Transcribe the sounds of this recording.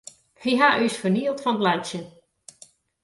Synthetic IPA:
hiɦaʔysfəɹniəlˠtfɑndlansə

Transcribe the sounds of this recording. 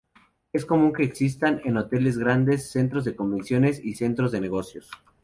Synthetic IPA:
e̞sko̞mũŋke̞ːksis̬t̪aneno̞t̪e̞le̞zɣɾand̪e̞sːe̞nt̪ɾo̞zðe̞ko̞mbinsjo̞ne̞sise̞nt̪ɾo̞zðe̞neɣo̞sjo̞s

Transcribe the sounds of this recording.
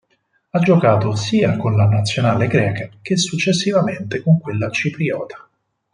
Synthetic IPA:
ad͡ʒːokaːt̪osiːakonlanat̪sːjonaːleɡɾɛːkak̟esːut͡ʃːesːivament̪ekoŋkwelːat͡ʃipɾiɔːt̪ḁ

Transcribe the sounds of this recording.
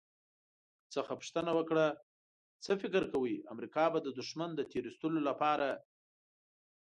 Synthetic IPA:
t͡səxapʊʂt̪ənawəkɽa | t͡səfɪkɾkawəjamɾikɑbad̪əd̪uʃmand̪ət̪eɾist̪əlolapɑɾa

